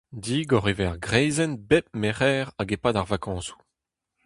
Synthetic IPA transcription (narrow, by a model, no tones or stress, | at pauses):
diːɡɔʁevɛʁɡʁɛjzɛnbɛp̚meʁɛːʁaɡepadaʁvakɑ̃ːsu̥